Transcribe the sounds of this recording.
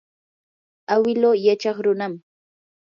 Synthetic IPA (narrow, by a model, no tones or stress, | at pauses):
awɪloːjat͡ʃɑχɾʊnam